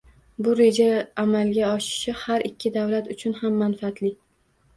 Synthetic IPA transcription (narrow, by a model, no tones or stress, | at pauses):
bʊɾe̞d͡ʒaːmalɡʲaɒʃɪ̥ʃɪhaɾɪkʲʰːɪd̪avlat̪ʊt͡ʃʰʊnhamːanfaːt̪lɪ